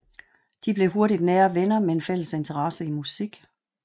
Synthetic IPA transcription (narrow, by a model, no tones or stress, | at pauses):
d̥ib̥le̝ɦo̝ɐɾid̥nɛːɐʋenɐmeenfel̰əse̝nt͡sʰɐʁɑsəimusiɡ̥